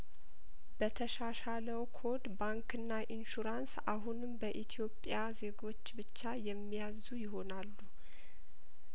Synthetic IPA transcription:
b̥ət̪ʰəʃaʃaləwkʰo̞d̪baŋkɨnːaʔinʃuɾansaɦunɨmbəʔit̪ʰijo̞pʼjaze̞ɡo̞t͡ʃːbɨt͡ʃːajɛmːijazujɪɦo̞nalːu

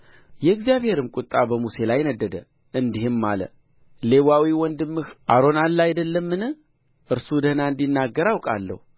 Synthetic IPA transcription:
jɛɨɡzijaβhe̞ɾɨmkʼut̪ʼːabəmuse̞lajnəd̪ːəd̪ə | ʔɨnd̪iɦhɪmːalə̰ | le̞wawiwɔnd̪ɨmːɨhʔaɾo̞nalːajd̪əlːəmːɨnɨ | ʔɨɾsud̪əhnaɨnd̪inːaɡːəɾawkʼa̰lːə̰hu

